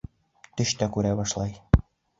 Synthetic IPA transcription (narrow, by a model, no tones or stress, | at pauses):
t̪ɘ̆ʃt̪ækuɾæβɑʃlˠɑj